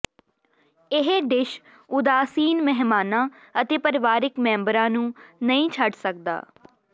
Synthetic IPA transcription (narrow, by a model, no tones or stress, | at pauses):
ɪɦeɖɪʃ | ʊd̪aːsiːnmɛɦmaːnãː | ət̪eːpəɾɪʋaːɾɪkmɛ̃ːmbəɾãːnũːnəĩːt͡ʃʰəɖsək̚d̪a̰ː